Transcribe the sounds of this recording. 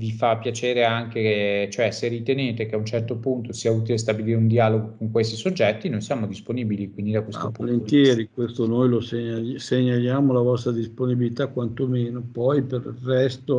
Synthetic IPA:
vifapːjat͡ʃeːɾeaŋkekt͡ʃoɛserit̪eneːt̪ekeaunt͡ʃɛrt̪opunt̪osiauːt̪̬ilest̪abiliːɾeund̪iaːloɡokoŋkwest̪isod͡ʒːɛt̪ːinojsjaːmod̪isponiːbilikwind̪id̪akwest̪opuolent̪jɛːɾikwest̪onojloseɲaseɲːaljaːmolavɔst̪ɾad̪isponibilit̪akwant̪omeːnopɔjperirːɛst̪o

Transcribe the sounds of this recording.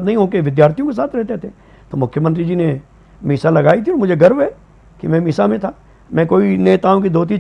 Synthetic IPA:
t̪nɐɦĩɦõːkeʋɪd̪jaːɾt̪ʰijõkes̬aːt̪ʰɾɛɦt̪eɦt̪e | t̪oːmʊkʰjəmə̃nt̪ɾid͡ʒine | miːsalɐɡaːit̪ʰiɔːɾmʊd͡ʒʱeɡɐɾʋɦɛ | kimɛ̃ːmiːsamẽt̪ʰaː | mɛ̃koːineːt̪aːõk̬id̪ʱoːt̪̬i

